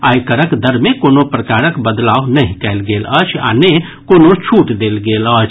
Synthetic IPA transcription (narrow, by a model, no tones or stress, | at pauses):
ajkəɾəkd̪əɾmekonopɾəkaɾəkbəd̪lawnəɦĩkɛɪlɡelət͡ʃʰa̰ne | konot͡ʃʰuʈd̪elɡelət͡ʃʰ